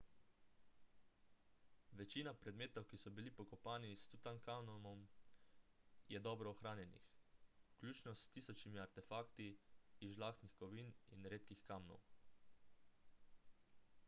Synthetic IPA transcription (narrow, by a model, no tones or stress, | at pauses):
ʋɛt͡ʃiːnapɾɛd̪meːt̪ɔwkisɔbilipɔkɔpaːnist̪ut̪ankamnɔmɔm | jɛd̪ɔːbɾɔːxɾaːnjɛnḭxklʲuːt͡ʃnɔst̪iːsɔt͡ʃnimiaɾt̪ɛfaːkt̪iːʒlaːxt̪nixkɔʋiːninɾeːt̪kixkaːmnɔ̰w